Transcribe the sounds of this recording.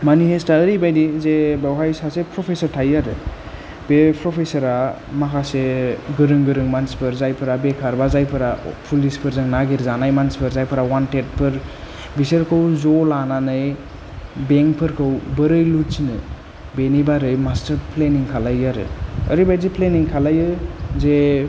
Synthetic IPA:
manihestaəɾibajdizebawɦajsasepʰɾɔpʰesəɾtʰajaɾɯ | b̥epʰɾɔpʰesəɾa | makʰaseɡɯɾɯŋɡɯɾɯŋmanspʰɯɾzajpʰɯɾabekʰaɾbazajpʰɯɾapʰulispʰɯɾzɯŋnaɡiɾzanajmanspʰɯɾzajpʰɯɾawantet̚pʰɯɾ | bisəɾkʰəwzɔlananɯj | beŋkpʰɯɾkʰəwbəɾɯjlutsinɯ | benibaɾɯjmastəɾpʰleniŋkʰalajaɾɯ̰ə̰ɾibajzipʰleniŋkʰalajɯze

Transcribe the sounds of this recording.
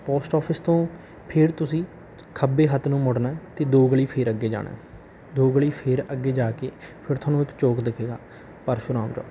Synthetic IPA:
poːsʈɔːpʰəst̪õː | pʰɪɾt̪ʊsĩː | kʰəbeːɦət̪ːnũːmʊɽnaɛt̪eːd̪oːɡəɭiːpʰeːɾəɡːeːd͡ʒa̰ːɽ̃ɛ̰ː | d̪oːɡəɭiːpʰeːɾəɡːeːd͡ʒaːkeːpʰɪɾt̪ʰoaːnũːɪkt͡ʃoːkd̪ɪkʰeːɡaː | pəɾpʰɪɾaːmd͡ʒɔ̰ː

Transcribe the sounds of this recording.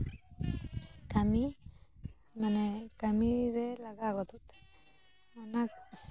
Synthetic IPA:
kami | manɛkamiɾɛlaɡaɡɔt̪ut̪ | anak̚

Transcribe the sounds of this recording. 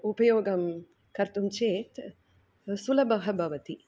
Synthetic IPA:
upɐjoːɡɐm | kɐɾt̪umt͡ʃeːt̪ | sulɐbɐɦɐbʱɐʋɐt̪i

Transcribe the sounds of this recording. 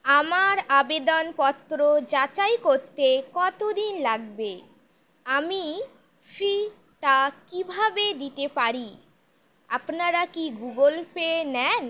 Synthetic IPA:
amaɾabed̪onpɔt̪ːɾod͡ʑat͡ɕajkoɾt̪ekɔt̪od̪inlaɡbe | ami | fɾi | ʈakibʱabed̪it̪epaɾi | apnaɾakiɡuɡolpenɛn

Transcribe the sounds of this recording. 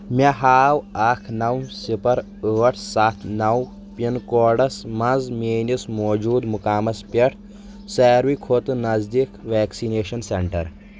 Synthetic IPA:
mʲɐɦaːwaːkʰnɐwsipɐɾ | əːʈʰsat̪ʰnɐw | pinkoːɖɐsmɐzmeːnismoːd͡ʒuːd̪mukaːmɐspeʈʰ | seːɾwikʰot̪ɨnɐzd̪ikʋeːksineːʃɐnseɳʈɐ̰ɾ

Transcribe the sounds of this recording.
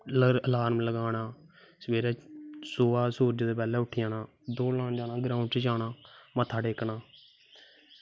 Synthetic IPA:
ləəlaːɾmləɡaːnaː | səʋeːɾɛːsoːaːsuːɾd͡ʒd̪eːpɛːlɛːʊʈʰɪjãːnãː | d̪oːlãːnd͡ʒaːnãːɡɾaːʊ̃ɳʈt͡ʃːd͡ʒaːnãːmət̪ʰːaːɖeːknãː

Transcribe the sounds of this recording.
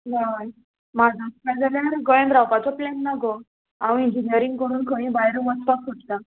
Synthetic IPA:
naj | mad͡zʱaskad͡zaljaɾɡɔẽɳɖɾapat͡sɔplenːaɡɔ | aʋĩiɲd͡ʑinijəɾiŋɡkəɾuːnkʰə̃ɽ̃ĩbajɾʋət͡spakoʈ̪t̪a

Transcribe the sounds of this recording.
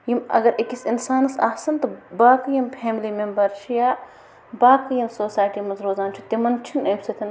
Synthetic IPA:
jimɐ̰ɡɐɾekisinsaːnɐsɐ̰ːsɐnt̪ɨbaːkɨjimpʰɛːmlimembɐɾt͡ʃʰijaː | baːkɨjɐmsoːsaːjʈimɐnzɾoːzaːnt͡ʃʰut̪imɐnt͡ʃʰinɐmsɐt̪ʰin

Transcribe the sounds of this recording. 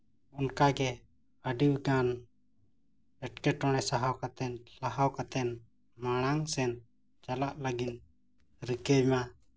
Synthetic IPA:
ɔnkaɡɛ | əɖiwɡan | ɛʈkɛʈɔɽ̃ɛsaɦawkat̪ɛnlahawkat̪ɛn | maɽ̃aŋsɛn | t͡ʃalaʔləɡin | ɾikɛma

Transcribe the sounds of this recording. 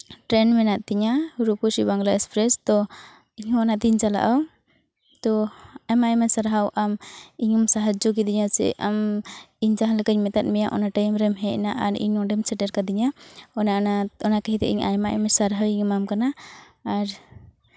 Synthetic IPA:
ʈɾɛnmɛnaʔ̚t̪iɲaɾukusibaŋɡlaʔɛspɾɛst̪ɔ | iɲɔnat̪iɲd͡ʒala̰ʔaw | t̪ɔajmaʔɛmɛsaɾɦawʔamiɲɔmsaɦad͡ʒɔkid̪iɲasɛ̰ʔamiɲd͡ʒaɦalakəɲmɛt̪at̪̚ˀmɛjaʔɔ̰naʈajmɾɛmɦɛʔnaʔaɾḭɲɔɖɛmsɛʈɛɾkad̪iɲaɔnaʔnaɔnakaɦit̪ɛ̰ʔiɲa̰jmaʔɛ̰mɛsaɾɦawiɲɔmamkanaː | ɾ

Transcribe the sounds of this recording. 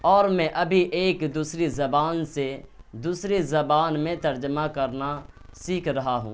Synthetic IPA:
ɔːɾmɛ̃ʔɐbʱiʔeːkd̪uːsɾizɐbaːnse | d̪uːsɾezɐbaːnmẽt̪ɐɾd͡ʒəmakɐɾna | siːkʰɾɐɦaɦṵ̃ː

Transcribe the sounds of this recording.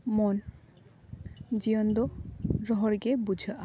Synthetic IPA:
mon | d͡ʑiond̪oɾɔɦɔɾɡebud͡ʑʱəʔa

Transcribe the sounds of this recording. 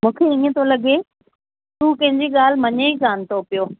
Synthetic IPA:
mũːkʰeĩːə̃t̪ʰolɐɠe | t̪uːkɐ̃ɦɪ̃ɲd͡ʑiɠaːl̤mɐɲeikaːn̆t̪ʰopijoː

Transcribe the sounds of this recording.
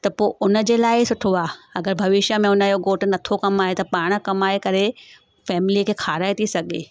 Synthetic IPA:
t̪ɐpoːʔʊnə̆d͡ʑeːlaːɪsʊʈʰoaːɐɡəɾbʱɐʋɪʃə̆mẽʊnəjoɡoːʈ̆nɐt̪ʰokɐmaːɦet̪ɐpaːɽ̃̆kɐmaːekɐɾe | fɛːmɪlikʰeːkʰaːɾaːet̪ʰisɐɡḛː

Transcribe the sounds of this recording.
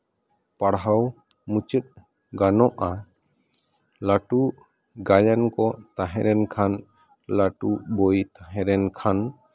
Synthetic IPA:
paɽɦaw | mut͡ʃət̪̚ | ɡanɔʔa | laʈu | ɡajankɔt̪aɦɛ̃ɾɛnkʰan | laʈubojt̪aɦɛ̃ɾɛnkʰan

